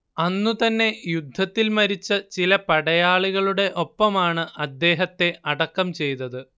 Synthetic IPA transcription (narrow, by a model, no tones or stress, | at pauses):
ɐnːut̪ɐnːe̞jud̪ʱːɐt̪ːilmɐɾit͡ɕːɐt͡ɕilɐpɐɽɐjaːɭiɣɐɭuɽe̞ʔo̞pːɐmaːɳɨʔɐd̪ːe̞ːɦɐt̪ːe̞ɐɽɐkːɐmt͡ɕe̞jt̪ːɐðɨ